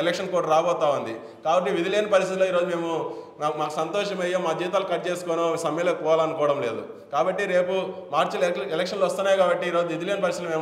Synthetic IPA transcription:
elekʂɐnkoːɾʈɾaːbɔːt̪aːund̪i | kaːbɐʈ̬ːiʋid̪ileːnɐpɐɾist̪it̪loːiːɾo̞ːd͡ʒume̞ːmu | aːsɐnt̪ɔːʃɐmɐjoːmaːd͡ʒiːt̪̬aːlukɐʈt͡ʃe̞ːsu̥konoːsɐmɛːlɐkɔːʋaːlɐnukɔːʋɐɽɐmle̞ːd̪ṵ | kaːbɐʈːiɾe̞ːpumaːɾt͡ʃɐlelekʂɐnlʋɐst̪unːaːjkaːbɐʈːiːɾo̞ːd͡ʒuʋid̪ileːnɐpɐɾist̪lme̞ː

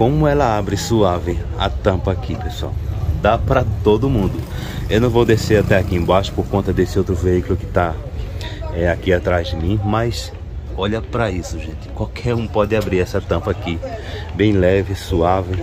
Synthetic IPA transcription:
kõmʊɛlɐabɾɪsuavɪɐ̰t̪ɐ̃pɐːkipesua̰wd̪apɾɐt̪od̪ʊmũnd̪ʊ | ewnɐ̃w̃vowd̪eseɾat̪ɛakiẽbaʃʊ̥pohkõnt̪ɐd̪esɪowt̪ɾʊveikulʊkɪ̥t̪a | ɛakiat̪ɾazd̪ɪmĩmɐjs | ɔʎɐpɾɐisʊʒẽnt̪ɪ̥kwawkʰɛɾũpɔd̪ɪabɾiɾɛsɐt̪ɐ̃mpɐaki | bẽj̃lɛvɪsuavɪ

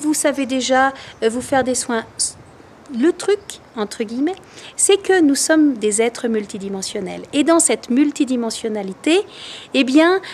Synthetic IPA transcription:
vusaved̪eʒavufɛʁd̪eswɛ̃ | lət̪χyk | ɑ̃t̪χəɡʲimɛ | sɛkənusɔmd̪ezɛt̪χəmylt̪id̪imɑ̃sjɔnɛ̰led̪ɑ̃sɛt̪mylt̪id̪imɑ̃sjɔnalit̪eːbjɛ̃

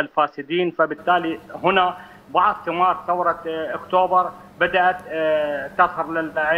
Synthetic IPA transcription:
alfaːsɪd̪iːnfabɪt̪ːaːliɦʊna | bɑʕðˤsɪmɑːɾˤθawɾˤɑʔʊkt̪oːbɑɾˤ | bad̪aʔat̪t̪ːɑshɑɾˤlɪlʕ

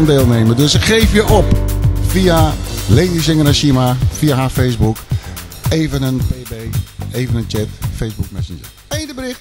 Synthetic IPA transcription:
ndeːlˠneːmədøsχeːfjəʔɔpfialeːdəsɪŋənaʃimafiaɦafeːsbuk | eːvənənpeːbeːeːvənənt͡ʃɛtfeːsbuk̚mɛsənd͡ʒə̰ | endəbərɪxt

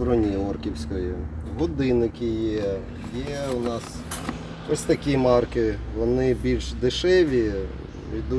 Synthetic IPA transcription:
ɾɔnʲiɔrkʲiwsʲkɔjɪɦɔd̪ɪnɪkʲɪjɛ | jɛʊnɑs | ɔsʲt̪ɐkʲimɑrkɪʋɔnɪbʲilʲʃd̪ɪʃɛʋʲi | ʋʲid̪u

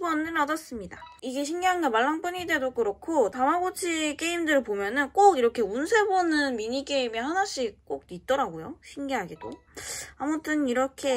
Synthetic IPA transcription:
bʌnɯnʌdʌs͈ɯmɲidaiɡe̞ɕ̬ʰiŋɡiɦanɡemaɭːaŋp͈uɲide̞dok͈ɯɾokʰotamaɡot͡ɕʰik͈e̞imdɯɾɯɭpomjʌnɯnk͈oɡiɾʌkʰe̞unsʰe̞bonɯnmiɲik͈e̞imihanaɕ͈ik̚k͈ok̚tit̚t͈ʌɾaɡojoɕʰiŋɡiɦaɡido | amutʰɯniɾʌkʰe̞

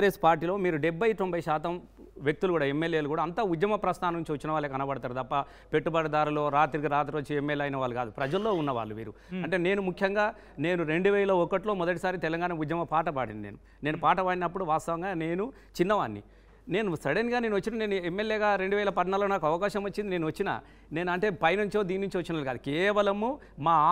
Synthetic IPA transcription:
ɾeːspaːɾʈ̬ːiːlo̞ːmiːɾuɖebʱːɐjt̪ombʱɐjiʃaːt̪ɐm | ʋjek̚t̪ulukuːɽaːemːeljeːlukuːɽaːɐnt̪ɐud̪jɐmɐpɾɐst̪ʰaːnɐnuɲt͡ʃiʋɐt͡ʃːinɐʋaːɭːeːkɐnɐbɐɽɐt̪aːɾɐd̪ɐpːɐ | pe̞ʈːubɐɽɐd̪aːɾuloːɾaːt̪iɾiɡiɾaːt̪ɾoːt͡ʃiemːelɐjnɐʋaːɭːukaːd̪upɾɐd͡ʒɐlːo̞ːunːɐʋa̰ːɭːumḭːɾuɐɳʈe̞ːne̞ːnumukʰjɐŋɡaː | ne̞ːnuɾe̞ɳɖuʋɛːɐlɐɔkɐʈ̬lo̞ːmɔd̪ɐʈ̬isaːɾit̪ɛlɐŋɡaːnɐʋud̪jɐmɐpaːʈɐpaːɽḭnd̪inḛːnu | ne̞ːnupaːʈɐpaːɽinɐpːuɽuʋaːst̪ɐʋɐŋɡaːne̞ːnu | t͡ʃinːɐʋaːnːḭ | ne̞ːnusɐɽenɡaːne̞ːnuɐt͡ʃːinane̞ːnuemːeljeːɡaːɾe̞ɳɖuʋɛːlɐpɐd̪naːlːonaːkɐʋɐkaːʃɐmot͡ʃːind̪ine̞ːnuʋɐt͡ʃːina̰ | ne̞ːnuɐɳʈe̞ːpɐjnɐɲt͡ʃoːd̪iːninuɲt͡ʃiʋɐt͡ʃːinɐaːlkaːd̪ukɛːʋɐlɐmu | maː

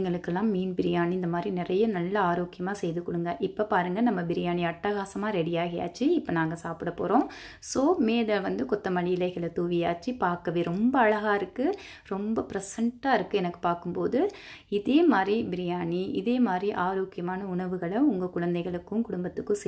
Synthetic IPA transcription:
ŋɡɐɭɯkːɛlːãːmiːnbɪɾɪjaːniɪnd̪ɐmaːd̪ɾinɪrɐjɐnɐlːɐaːɾoːkɪjɐmaːsɛjðɯkːɔɽɯŋɡɐʔɪpːopaːɾɯŋɡɐnɐmːɐbɪɾɪjaːniɐʈːɐɣaːsɐmaːɾɛɽɪjaːɣɐja̰ːt͡ʃːiɪpːɐnaːŋɡɐsaːpɪɽɐpo̰ːɾõː | soːmeːlɐʋɐnd̪ɯkɔt̪ːɐmɐɭiɪlɐɪɣɐɭɐt̪uːʋɪjaːt͡ʃːipaːɾkɐʋeːɾɔmbɐːɻɐɣaːɪɾɯkːɯ | ɾɔmbɐpɪɾɐsɐɳʈːaːɪɾɯkːɯɛnɐkːɯ̥paːɾkɯmpoːðɯ | ɪðeːmaːd̪ɾibɪɾɪjaːniɪðeːmaːd̪ɾiʔaːɾoːkɪjɐmaːnɐʊɳɐʋɯɣɐɭɐʊŋɡɐkʊɻɐnd̪ɛɪɣɐɭɯkːɯmkʊɽʊmbɐt̪ːɯkːɯ̃sɛ

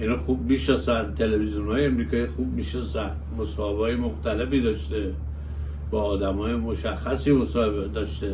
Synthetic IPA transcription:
ʔinɒːxub̚miːʃnɒsænt̪ʰe̞levizijonhɒːjeemɾiːkʰɒːjixub̚miʃnɒsæn | mosɒːhe̞bɒːjemoxt̪æle̞fiːd̪ɒːʃt̪e | bɒːd̪æmɒːjemoʃæxːæsiːmosɒːebed̪ɒʃt̪e

